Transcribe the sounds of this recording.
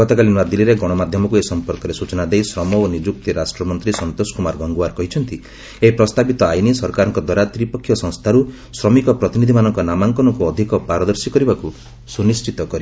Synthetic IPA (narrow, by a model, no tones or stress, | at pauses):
ɔt̪ɔkalinad̪ilːiɾeɡɔɽ̃ɔmad̪ʱjɔmɔkuesɔmpɔɾkɔɾesut͡ʃɔnad̪ejsɾɔmɔonid͡ʒuk̚t̪iɾasʈɾɔmɔnt̪ɾisɔnt̪oskumaɾɡɔŋɡuaɾkɔɦit͡ʃʰɔnt̪i | epɾɔst̪abit̪ɔajnisɔɾkaɾɔŋkɔd̪ɔɾat̪ɾipɔkʰːjɔsɔ̃ŋ̃st̪ʰaɾu | sɾɔmikɔpɾɔt̪inid̪ʱimanɔŋkɔnamaŋkɔnɔkuɔd̪ʱikɔpaɾɔd̪ɔɾsikɔɾibaku | sunist͡ʃit̪ɔkɔɾi